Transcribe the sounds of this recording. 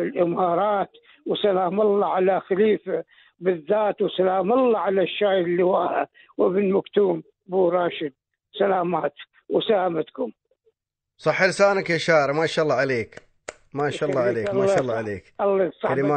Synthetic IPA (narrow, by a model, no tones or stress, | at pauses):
ɪlʔɪmɑːɾˤɑːt̪ | wsalaːmɑlˤːɑʕalaxaliːfa | bɪðːaːt̪wsalaːmɑlˤːɑʕalaʃːaːjɪlːɪwaːha̰ | wɪbɪnmakt̪uːm | buːɾˤɑːʃɪd̪̚ | salaːmaːt̪ | wsalamat̪kʊm | sˤɑħːɪlsaːnakjaʃaːɾamaʃʔɑlˤːɑʕaleːk | maʃɑllːˤɑʕaleːkmaʃlːɑʕaleːkalːɑsˤɑlma